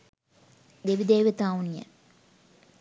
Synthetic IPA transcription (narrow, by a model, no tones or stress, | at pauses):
d̪eʋid̪eːʋit̪aːunija̰